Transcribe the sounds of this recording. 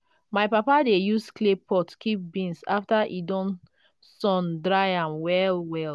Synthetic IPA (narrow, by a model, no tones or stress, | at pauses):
maɪpapadejusklepɔtkip̚bĩnsa̰ftaʔidɔ̃n | sɔ̃ndɹaɪãmwɛlwɛl